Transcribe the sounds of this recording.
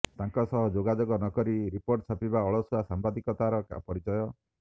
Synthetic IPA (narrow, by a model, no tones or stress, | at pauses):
t̪aŋkɔsɔɦɔd͡ʒoɡad͡ʒoɡɔnɔkɔɾiɾipoɾʈt͡ʃʰapibaɔɭɔsuasambad̪ikɔt̪aɾɔka̰pɔɾit͡ʃɔjɔ